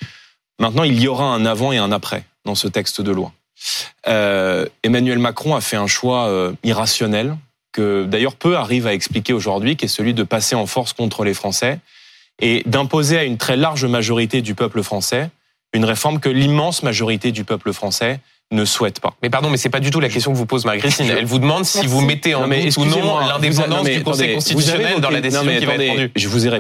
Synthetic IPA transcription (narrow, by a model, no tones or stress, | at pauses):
mɛ̃t̪nɑ̃iljɔʁaɛ̃navɑ̃eɛ̃napχɛ̰d̪ɑ̃sət̪ɛkst̪d̪əlwa̰ | øemanɥɛlmakχɔ̃afɛɛ̃ʃwaøiʁasjɔnɛl | kəd̪ajœʁpøaʁivaɛksplikʲeoʒuʁd̪ɥikʲɛsəlɥid̪əpaseɑ̃fɔʁskɔ̃t̪χəlefχɑ̃sɛ | ed̪ɛ̃pozeaynt̪χɛlaʁʒmaʒɔʁit̪ed̪ypœpləfχɑ̃sɛ | ynʁefɔʁmkəlimɑ̃smaʒɔʁit̪ed̪ypœpləfχɑ̃sɛ | nəswɛt̪pa̰mɛpaʁd̪ɔ̃mɛsɛpad̪yt̪ulak̬ʲɛst̪jɔ̃kəvupozmaʁɡʁit̪inɛlvud̪əmɑ̃d̪sivumɛt̪ẽmɛɛsñlɛ̃d̪eɑ̃d̪ɑ̃smed̪ytkɔɑ̃d̪kɔ̃st̪itsjnɛld̪ɑ̃lad̪enɔ̃mɛkivatd̪ed̪yʒəvuziʁe